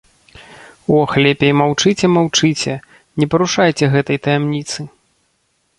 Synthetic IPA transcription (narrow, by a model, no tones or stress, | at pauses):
ɔxlʲɛpʲejmawt͡ʂɨt͡sʲɛmawt͡ʂɨt͡sʲɛ | nʲɛpɐɾuʂajt͡sʲɛɣɛt̪ɐjt̪ɐjɛmnʲit̪sɨ